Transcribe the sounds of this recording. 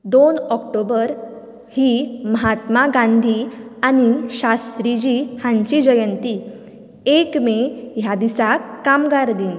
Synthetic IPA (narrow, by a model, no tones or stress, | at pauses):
d̪onɔk̚ʈobəɾ | himəɦat̪maɡãnd̪ʱiañiɕast̪ɾid͡ʑihãɲt͡ɕid͡ʑəjənt̪i | ekmeɦjad̪isakːamɡaɾd̪iːn